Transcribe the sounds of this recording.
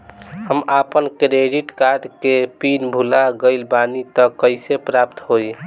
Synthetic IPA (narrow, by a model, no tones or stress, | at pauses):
həmapənkɾeɖiʈkaɾɖkepinbʱulaɡəɪlbanit̪ɔkəɪsepɾap̚t̪ɦoj